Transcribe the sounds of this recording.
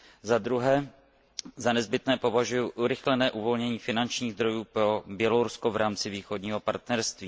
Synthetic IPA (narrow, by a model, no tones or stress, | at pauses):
zad̪ɾuɦɛː | zanɛzbɪt̪nɛːpo̞vaʒujuʔuɾɪxlɛnɛːʔuvo̞lɲɛɲiːfɪnant͡ʃɲiːɣzd̪ɾo̞juːpɾo̞bjɛloɾuskovɾʔaːmt͡sɪviːxo̞dɲiːɦo̞paɾt̪nɛɾst̪viː